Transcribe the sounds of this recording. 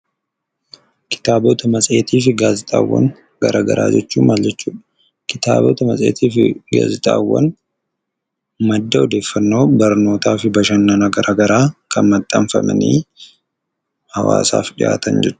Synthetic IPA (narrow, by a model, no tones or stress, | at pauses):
kʰɪ̥t̪aːbɔt̪ʰɐmɐsʼe̞ːt̪iːfɪɡaːzɪt̪ʼa̰ːwːɐ̰ŋ | ɡɐɾaːɡɐ̰ɾʔaːd͡ʒɛt͡ʃːuːmaːld͡ʒɛt͡ʃːuːᶑɐ | kɪt̪a̰ːbɔ̰t̪ɐmɐsʼe̞̰ːt̪ʰiːfɪɡa̰ːzɪt̪ʼaːwːɐ̰n | mɐd̪ːɐɔd̪e̞ːfːɐnːo̞ːbɐɾno̞ːt̪aːfɪbɐʃɐnːɐnɐɡɐɾʔaːɡɐɾaːkʰɐnmɐt̪ʼːɐmfɐ̰mɐnḭː | hɐwa̰ːsa̰ːfᶑɪʔa̰ːt̪ɐnd͡ʒɛt͡ʃːʊ̥